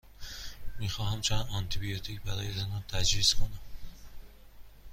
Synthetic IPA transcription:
miːxɒːhæmt͡ʃʰænd̪ɒnt̪ʰibijot̪ʰiːcbæɾɒːjezænɒnt̪ʰæd͡ʒviːzkʰonæm

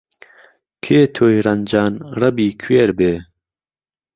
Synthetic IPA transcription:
kʰeːt̪ʰoːjɾɐnd͡ʒaːnrɐbiːkʰweːɾbeː

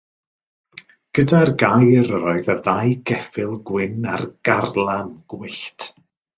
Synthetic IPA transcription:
ɡ̥ədarɡajɾəɾɔɨðəðajɡɛfɪlˠɡwɪna̰rɡ̥arlˠanɡ̥wɪɬtʰ

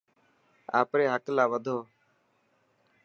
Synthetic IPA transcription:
a̰ːpɾeːɦəklaːʋəd̪ʱoː

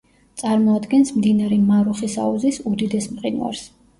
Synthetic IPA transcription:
t̪sʼaɾmɔad̪ɡɛnsmd̪inaɾɛmaɾuχisa̰uzisud̪id̪ɛsmqʼina̰ɾs

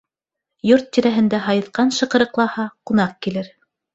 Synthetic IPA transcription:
joɾt̪ːiɾæɦɘ̆nd̪æɦɑjɤ̆θqɑnʃɤ̆qɤ̆ɾɤ̆qlˠɑhɑqunɑq̚kilɘɾ

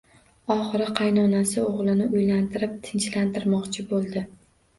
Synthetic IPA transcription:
ɒχɨɾɪqʰɑjnɒnasɪoʁlˠɪnɪʊjlant̪ʰɪɾɪp̚t̪ʰɪnt͡ʃlant̪ʰɪɾmɒqt͡ʃʰɪbolˠd̪ɪ

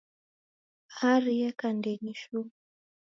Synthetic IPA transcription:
haɾijakandɛɲiʃu

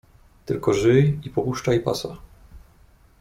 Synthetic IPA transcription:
t̪ɘlkɔʐɘipɔpuʂt͡ʂaipa̰sa

